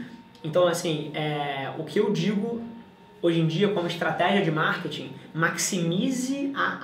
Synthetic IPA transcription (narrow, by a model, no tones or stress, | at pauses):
ẽnt̪ɐ̃w̃asĩɛʊ̰kʰɪewd͡ʒiɡʊ | ojʒẽd͡ʒiɐkõmʊɪʃt̪ɾat̪ɛʒiɐd͡ʒɪmaɾket͡ʃĩmaksimizɪa